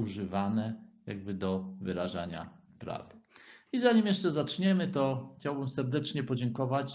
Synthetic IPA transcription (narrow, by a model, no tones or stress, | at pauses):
uʐɘvanɛja̰ɡ̚bɘd̪ɔvɘɾaʐa̰ɲa̰ | pɾa̰vd̪izaɲimjɛʂt͡ʂɛzat͡ʂɲɛmɘt̪ɔxt͡ɕawbɘmsɛɾd̪ɛt͡ʂɲɛpɔd͡ʑɛŋkɔvat͡ɕ